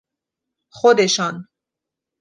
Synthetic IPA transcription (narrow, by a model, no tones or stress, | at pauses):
xod̪eʃɑn